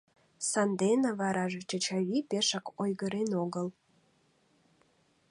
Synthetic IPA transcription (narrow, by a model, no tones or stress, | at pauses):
sɑnd̪enə̆βɑɾɑʒet͡ɕət͡ɕɑβipeʃəkojɣəɾenoɣəl